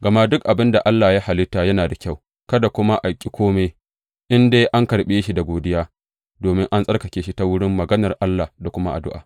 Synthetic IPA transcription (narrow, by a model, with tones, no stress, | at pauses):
ɡɐ˨ma˦dʊ˦k̚ʔa˨bɪ˦nda˨ʔa˦lːaː˨ja˦ha˨lɪ˦tːaː˨jɐ˦naː˨da˨kʲa˦˨w | kɐ˦da˨kʷʊ˦ma˦ʔa˨kʲʼi˦kʷoː˦me˦j | ʔɪ˦ndeː˦ʔa˦ŋkɐ˨ɾɓe˦ʃi˦da˨ɡʷoː˨dɪ˦jaː˦ | doː˨mɪ˦ŋʔa˦nsʼɐ˦rkɐ˨kʲeː˨˦ʃi˦ta˦wʊ˦ɽɪ˦mːɐ˨ɡɐ˦nɐ˨rʔa˦lːa˨da˨kʷʊ˦ma˦ʔa̰˨dʊ̰˦ʔaː˨